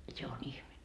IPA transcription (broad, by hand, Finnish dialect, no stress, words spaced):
se on ihmetːæ